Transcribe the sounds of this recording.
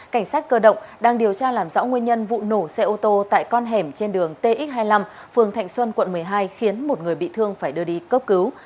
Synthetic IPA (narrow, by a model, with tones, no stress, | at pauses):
ka˧˩jŋ̟saː˦˥t̚kəː˧ɗə̰˧˨wŋ͡mɗaː˧ŋɗi˨˩əwt͡ɕaː˧laː˨˩mzɔ̰˧˥wŋwi˧ənɲə˧nvṵ˧˨no˧˩sɛ˧ʔo˧t̪o˧t̪a̰ː˧˨jkɔ˧nɦɛ˧˩mt͡ɕe˧nɗɨ˨˩əŋt̪e˧ʔi˦˥t̚ɦaː˧jla˧m | fɨ˨˩əŋt̪ʰa̰˧˨jŋ̟swə˧nkwə̰˧˨nmɨ˨˩əjɦaː˧jxi˨˦ənmo˨˩t̚ŋɨ˨˩əjɓḭ˧˨t̪ʰɨ˧əŋfaː˧˩jɗɨ˧əɗi˧kəː˦˥p̚kɨ˨˦w